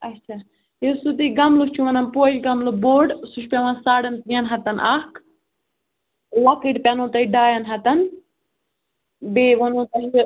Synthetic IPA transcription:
ɐtt͡ʃʰaː | jesut̪iɡɐmlut͡ʃʰuʋɐnɐnpoːlɡɐmluboːɖsuʃpʲɐʋɐnsaːɽɐnt̪ijɐnɦɐt̪ɐnʔɐk | lɐkiʈpʲɐnõːt̪ɐiɖaːjɐnɦɐt̪ɐn | beːʋɐnõːt̪ɐɦi

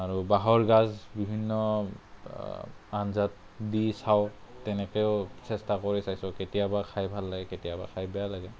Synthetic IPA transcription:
aɹubaɦɔɹɡazbibʱinːɔ | anzat̚ | disawtɛnɛkɛʊsɛstakɔɹisajsɔketijabakʰajbʱalːaɡɛketijaba̰kʰajbɛjalaɡɛ

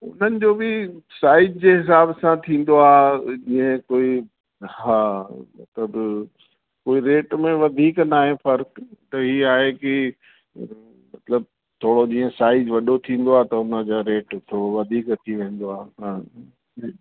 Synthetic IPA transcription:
ʊ̰n̤ənɪ̆d͡ʑoːbɪsaːɪd͡ʒd͡ʑeɦɪsaːbsãt̪ʰĩːn̆d̪oaːd͡ʑiːə̃koːi | hɦaːmɐ̰t̪ləb | koːiɾeːʈmẽʋɐd̪ʱiːknaːɦẽfɐɾkt̪ɐɦiaːɦeki | mɐt̪ləb̚ | t̪ʰoːɽod͡ʑĩːə̃saːɪd͡ʑʋɐɗot̪ʰĩːn̆d̪oaːɦt̪ɐʊnə̆d͡ʑoːɾeːʈt̪ʰoːɽoʋɐd̪ʱiːkt̪ʰiʋẽːn̆d̪oaːɦãː

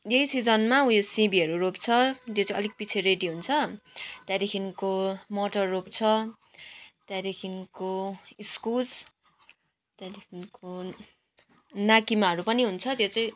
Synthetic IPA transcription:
jʌjsid͡zʌnmaũjosĩbiʌɾuɾopt͡sʰʌt̪jot͡saĩʌ̰lik̚pit͡sʰeɾeʈiɦunt͡sʰʌt̪jad̪ikʰinkomoʈʌrːop̚t͡sʰʌ | t̪jad̪ekʰinkoiskud͡z | t̪jad̪ekʰinko | nakimaɦʌɾupʌniɦunt͡sʰʌt̪jot͡saĩ

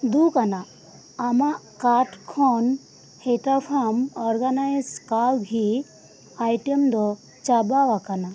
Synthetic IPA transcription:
d̪ukanaː | maʔkaʈkʰɔn | heʈafʰamɔɾɡanajskawɡʱi | ajʈemd̪ɔ | t͡ʃabaʋakana

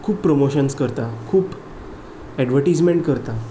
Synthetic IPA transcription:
kʰuːpːɾomoɕənskəɾt̪akʰuːp | ɛɖʋəɾʈid͡zmẽɳʈ̚kəɾt̪a

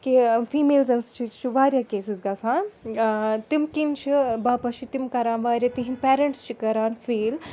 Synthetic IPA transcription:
kifiːmeːlzɐnst͡ʃʰit͡ʃʰiʋaːɾʲjaːkeːsizɡɐsãːn | t̪imkint͡ʃʰibaːpɐt͡ʃʰit̪imkɐɾaːnʋaːɾʲjat̪iɦinpeːɾɐɳʈst͡ʃʰikɐɾaːnfiːl

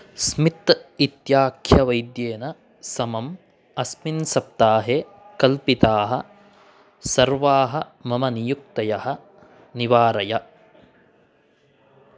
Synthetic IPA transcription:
smit̪it̪jaːkʰjɐʋɐjd̪jeːnɐ | sɐmɐm | ɐsminsɐp̚t̪aːɦe | kɐlpit̪aːɦɐ | sɐɾʋaːɦɐmɐmɐnijuk̚t̪ɐjɐɦɐ | niʋaːɾɐjɐ

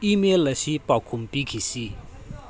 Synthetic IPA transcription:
ʔimelɐɕipakʰumpikʰisi

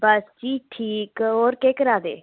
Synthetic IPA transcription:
bəsd͡ʒiːʈʰiːkɦoːɾkeːkəɾaːd̪ḛː

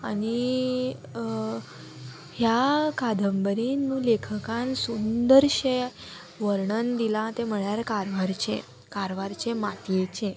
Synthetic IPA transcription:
ani | ɦjakad̪ʱəmbəɾinːũlekʰəkãnsund̪əɾɕe | ʋəɾɳənd̪ilãt̪eməɭjaɾkaɾʋaɾt͡ɕʰḛ | kaɾʋaɾt͡ɕʰemat̪jet͡ɕʰe

